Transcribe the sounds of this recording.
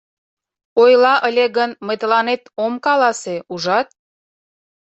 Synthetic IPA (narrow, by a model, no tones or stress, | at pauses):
ojlɑʔəlʲeɣənməjt̪əlɑnet̪omkɑlɑseuʒɑt̪̚